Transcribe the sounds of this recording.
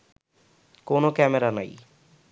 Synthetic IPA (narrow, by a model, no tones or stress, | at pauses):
konokɛmeɾana̰j